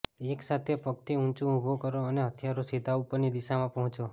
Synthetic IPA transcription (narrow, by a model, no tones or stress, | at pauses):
eksat̪ʰepək̚t̪ʰiũnt͡ʃũubʱokəɾoəneət̪ʰjaɾosed̪ʱaupəɾnid̪iʃamãpəɦɔ̃t͡ʃo